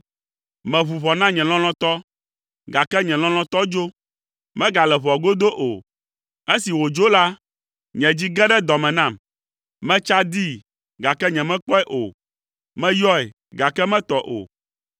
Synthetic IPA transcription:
mɛ̃˨βu˨βɔ˨nã˦ɲɛ̃˨l̃ɔ̃˦l̃ɔ̃˦t̪ɔ˦ | ɡa˨kɛ˦ɲɛ̃˨l̃ɔ̃˦l̃ɔ̃˦t̪ɔ˦d͡ʒo˦ | mɛ̃˦ɡa˨lɛ˨βɔ˨ɡo˦d̪o˦ʔo˨ | e˦si˨wo˨d͡ʒo˦la˦ | ɲɛ̃˨d͡ʑi˦ɡɛ˦ɖɛ˦d̪ɔ˨mɛ̃˨nã˦˨m | mɛ̃˦t͡ʃa˦d̪i˦ | ɡa˨kɛ˦ɲɛ̃˨mɛ̃˦k͡pɔ˦ɛ˦ʔo̰˨ | mɛ̃˦jɔ˦ɛ˨ | ɡa˨kɛ˦mɛ̃˦t̪ɔ˨ʔo̰˨

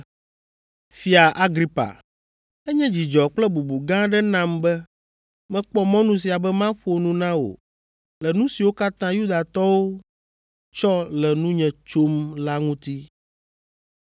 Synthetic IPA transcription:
fi˦a˨ʔa˦ɡɾi˦pa̰˨ | ɛ˦ɲɛ̃˦d͡ʑi˨d͡ʒɔ˨k͡plɛ˦bu˨bu˨ɡã˦ɖɛ˦nã˦mbɛ˦ | mɛ̃˦k͡pɔ˦mɔ̃˦nũ˦s̬i˨a˨bɛ˦mã˦ɸo˨nũ˦nã˦wo̰˨ | lɛ˨nũ˦si˨wo˦ka˦t̪ã˦ju˦d̪a˨t̪ɔ˦wo˦ | t͡ʃɔ˦lɛ˨nũ˦ɲɛ̃˨t͡ʃo˦mla˦ŋũ˦t̪i˦

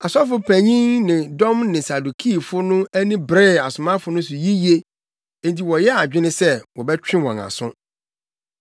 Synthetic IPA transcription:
a˨sɔ˦fʊ˦pʰæ˨ɲĩ˦ŋnɪ̃˨dɔ̃˦mnɪ̃˨sa˨du˨kʰi˦˨fʊ˦nʊ̃˦æ˦nĩ˦bɾɪ˦˨a˨sʊ˨mã˦fʊ˨˦nʊ̃˦sʊ˨ji˦ji˦e˦ | e˨n˨t̬i˨wɔ˨jɛ˦a˨d͡ʑᶣɪ˦nɪ̃˦sɛ˦wɔ˨bɛ˦t͡ɕᶣɪ̃˦wɔ̃˨a̰˨sʊ̰̃˦

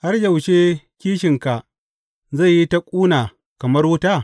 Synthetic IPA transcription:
ha˦rd͡ʒɐ˨wʃe˦kʲiː˦ʃɪ˨ŋka˨ | za˦˨jːi˦ta˦kʷʼuː˦naː˨ | kɐ˨mɐ˦rwʊ˦taː˦˨

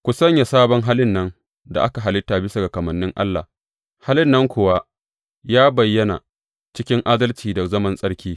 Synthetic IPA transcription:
kʷu˨sɐ˦ɲja˨saː˦bɔ˦ŋɦaː˦lɪ˦nːɐ˦ŋ | da̰˨ʔa˦ka˨ɦa˨lɪ˦tːaː˨bɪ˦sa˨ɡa˨kɐ˨mɐ˨nːɪ˦ŋʔa̰˦lːa̰˨ | haː˦lɪ˦nːɐ˦ŋkʷʊ˨wa˦ | jaː˦bɐ˨jːɐ˦na̰˨ | t͡ʃɪ˦kʲɪ˦ŋʔaː˦dɐ˦lt͡ʃiː˨da˨zɐ˦mɐ˦nsʼɐ˦ɽkʲiː˦

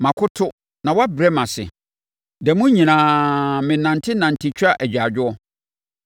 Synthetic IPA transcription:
mã˨kʰʊ˦tʰʊ˦ | nã˨wɔ˦a˦bɾɛ˦mã˨sɪ̰˨ | dɛ˨mũ˦ɲĩ˨nãː˨mɪ̃˨nã˨ntʰɪ˦nã˨n˨tʰɪ˦t͡ɕʰᶣa˦ʔæ˨d͡ʑᶣa˨d͡ʑᶣʊ˦ɔ˦

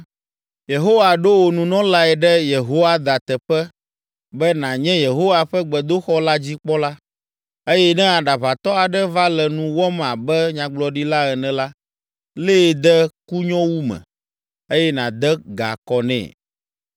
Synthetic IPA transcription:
je˨ɦo˦wa˨ɖo˦wo˨nũ˨nɔ̃˦la˦ɛ˨ɖɛ˦je˨ɦo˦wa˦d̪a˨t̪ɛ˨ɸɛ˦ | bɛ˦nã˨ɲɛ̃˦je˨ɦo˦wa˨ɸɛ˦ɡ͡bɛ˨d̪o˦xɔ˦la˦d͡ʑi˦k͡pɔ˦la˦ | e˦jɛ˦nɛ̃˦a˨ɖa˨βa˨t̪ɔ˦a˨ɖɛ˦va˦lɛ˨nũ˨wɔ˦mã˨bɛ˦ɲã˨ɡ͡blɔ˨ɖi˦la˦ɛ˨nɛ̃˨la˦ | le˦˨d̪ɛ˦ku˦ɲɔ̃˦wu˦mɛ̰̃˨ | e˦jɛ˦nã˨d̪ɛ˦ɡa̰˨kɔ˨nɛ̰̃˨

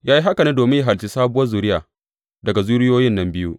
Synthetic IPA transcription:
jaː˦ji˦ɦa˦kɐ˨neː˦doː˨mɪ˦ja˦ɦa˨lt͡ʃi˦saː˦bʊ˦wɐ˦rzuː˨ɾɪ˦jaː˨ | dɐ˨ɡa˨zuː˦ɾɪ˦joː˦jɪ˦nːɐ˦mbɪ˦ju˦ʔ

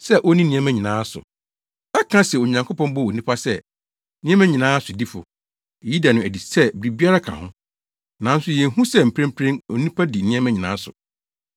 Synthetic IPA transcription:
sɛ˦ʔɔ˦nĩ˦nĩ˦ɛ̃˦mæ̃˦ɲĩ˨nãː˦sʊ̰˨ | ɛ˦kʰã˦sɛ˨o˨ɲã˨ŋkʰo˦pɔ̃˦mbɔ˦wo˨nĩ˦pʰa˦sɛ˦ | nĩ˦ɛ̃˦mæ̃˦ɲĩ˨nãː˨˦a˦sʊ˨di˦fʊ̰˨ | e˨ji˦da˨nʊ̃˨æ˨di˨sɛ˦bɪ˨ɾi˨bi˦a˦ɾa˦kʰã̰˨hʊ̰̃˦ | nã˨˦n̩˦sʊ˦jɛ̃˨n̩˦ɦũ˦sɛ˦m̩˨pʰɾẽ˦mpʰɾẽ˦no̰˨nĩ˦pʰa˦di˨nĩ˦ɛ̃˦mæ̃˦ɲĩ˨nã̰ː˦sʊ̰˨

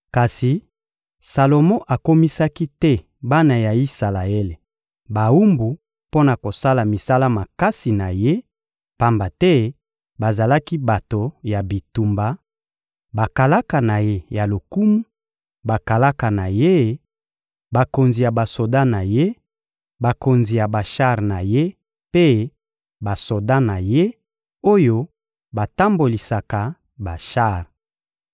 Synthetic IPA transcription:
ka˨si˨ | sa˨lo˨mɔ̃˦ʔa˨ko˦mi˦sa˦ki˦tɛ˦ | ba˦na˨ja˨i˦sa˨la˨e˦le˨ | ba˨u˦mbu˨ | po˦na˨ko˨sa˦la˨mi˨sa˦la˦ma˨ka˦si˨na˨je˦ | pa˦mba˨tɛ˦ | ba˨za˨la˦ki˦ba˨to˨ja˨bi˨tu˨mba˨ | ba˨ka˨la˦ka˨na˨je˦ja˨lo˨ku˦mu˦ | ba˨ka˨la˦ka˨na˨je˦ | ba˨ko˨nzi˨ja˨ba˨so˨da˦na˨je˦ | ba˨ko˨nzi˨ja˨ba˨ʃa˦ʁna˨je˦ | pe˦ | ba˨so˨da˦na˨je˦ | o˦jo˦ | ba˨ta˦mbo˨li˨sa˨ka˨ | ba˨ʃa˦˨ʁ

